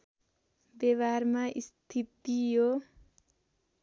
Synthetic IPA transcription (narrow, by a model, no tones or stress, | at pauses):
beβarmaʔist̪ʰit̪ijo